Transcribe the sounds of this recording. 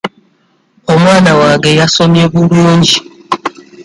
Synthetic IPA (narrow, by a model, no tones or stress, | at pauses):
ɔmwanawaɡejasɔmiebuɾuond͡ʒi